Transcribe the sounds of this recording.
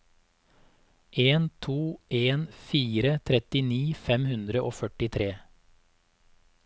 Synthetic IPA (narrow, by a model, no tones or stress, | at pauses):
ʔeːnt̪ʰuːʔeːnfiːɾət̪ʰɾɛt̪ɪniːfɛmhʉnd̪ɾəʔoːfœʈɪt̪ʰɾeː